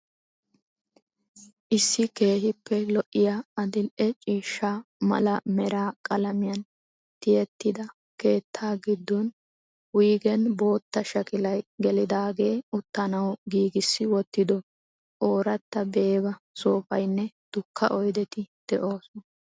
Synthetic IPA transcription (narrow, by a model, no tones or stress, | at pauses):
ʔɪsːɪke̞ːhɪpːɛlɔʔːɪjaɐd̪ɪnʔɛt͡ʃʼiːʃːaːmɐ̰lɐmɛɾaːkʼɐlɐmɪjɐn | t̪ɪjɛt̪ːɪd̪ɐ | ke̞ːt̪ʰːaːɡɪd̪ːɔn | wiːɡɛnbo̞ːt̪ːɐʃɐkʼɪlɐjɡɛlɪd̪aːɡe̞ːʊt̪ːɐnɐwɡiːɡɪsːɪwɔt̪ːɪd̪ɔ | ʔoːɾɐt̪ːɐbe̞ːbɐ | soːfɐ̰jnːɛ | d̪̥ʊkʰːɐʔɔjd̪ɛt̪ɪd̪̥ɛʔo̞ːsɔn